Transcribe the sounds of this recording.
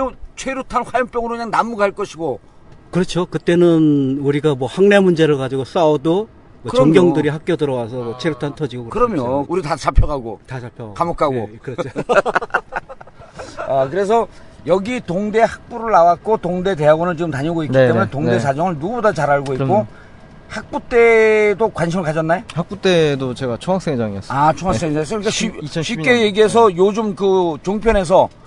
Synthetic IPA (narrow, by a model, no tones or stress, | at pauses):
ot͡ɕʰweɾjutʰanɸwajʌnp͈jʌŋɯɾoɯɲaŋnamuɡaɦaɭk͈ʌɕʰiɡo | kɯɾʌt͡ɕʰokɯt͈e̞nɯnuɾiɡamwʌhaŋne̞mund͡ʑe̞ɾɯɭkad͡ʑiɡos͈aodo | mʌt͡ɕʌŋɡjʌŋdɯɾiɦak͈jʌdɯɾʌwasʰʌmʌt͡ɕʰweɾjotʰantʰʌd͡ʑiɡokɯɾɯɾʌmjouɾitat͡ɕapʰjʌɡaɡotat͡ɕapʰjʌɡaɡkamokʰaɡokɯɾʌt͡ɕʰo | ʌkɯɾe̞s̬ʰʌjʌɡitoŋde̞hak̚p͈uɾɯɭnawat̚k͈otoŋde̞de̞aɡonɯɭt͡ɕiɡɯmtaɲʌɡoikkiteunetoŋnde̞sʰad͡ʑʌŋɯɭnuɡubodat͡ɕaɾaɭɡoik͈o | hak̚p͈ut͈e̞dokwanɕ̬ʰimɯɭkad͡ʑʌnːajohak̚p͈ut͈edot͡ɕeɡat͡ɕʰoŋak̚s͈eŋd͡ʑaŋiʌsat͡ɕʰoŋwaks͈eŋais̬͈ikaɕiɕʰik͈e̞jeɡiɦe̞s̬ʰʌjod͡ʑomkɯt͡ɕoŋpʰjʌne̞s̬ʰʌ